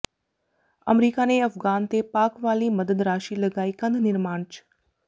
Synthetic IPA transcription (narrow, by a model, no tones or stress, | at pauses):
ə̰mɾiːkaneɐfɡaːnt̪epaːkʋaːliməd̪əd̪ɾaːʃilɐɡaːikə̃nd̪ʱnɪɾmaːɳt͡ʃ